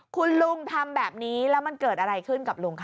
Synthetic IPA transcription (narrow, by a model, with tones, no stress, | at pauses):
kʰu˧nlu˧ŋt̪ʰa˧mbɛː˨˩p̚niː˦˥lɛː˦˥wma˧nkɤː˨˩t̪̚ʔa˧ɾa˧jkʰɯ˥˩nka˨˩p̚lu˧ŋkʰ